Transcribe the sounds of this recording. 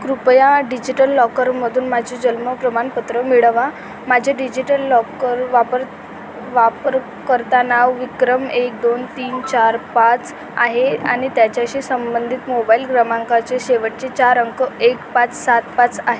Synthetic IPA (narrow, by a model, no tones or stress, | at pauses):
kɾupjaɖid͡ʑiʈəlːɔkəɾməd̪ʱuːnmad͡ʑʱid͡ʑəlməpɾəmanpət̪ɾəmiɭəʋa | mad͡ʑʱeɖid͡ʑiʈəlːɔkəɾʋapəɾ | ʋapəɾ | kəɾt̪anaʋʋikɾəmek̚d̪ont̪iːnt͡ɕaɾpat͡s | a̰ɦea̰ɽ̃it̪jat͡ɕjaɕiːsəmbənd̪ʱit̪mobailɡɾamaŋkat͡ɕeɕeʋəʈ̚t͡ɕet͡ɕaɾəŋkəekpat͡ssat̪pat͡saɦe